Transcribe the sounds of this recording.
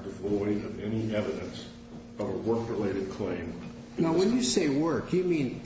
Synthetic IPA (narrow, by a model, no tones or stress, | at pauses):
d̥ɨvɔɪɾʌvɛniʔɛvɨɾɨ̃ns | ʌvəwɜ˞kɹɨleɪɾɨd̚kʰl̥ẽɪ̃m | naʊwə̃njɨseɪwɜ˞kjɨmĩn